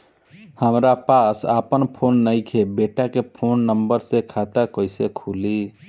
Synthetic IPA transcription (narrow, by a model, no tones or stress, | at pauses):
həmɾapasa̰pənpʰonːəɪkʰebeʈakepʰonːəmbəɾsekʰat̪akəɪsekʰuli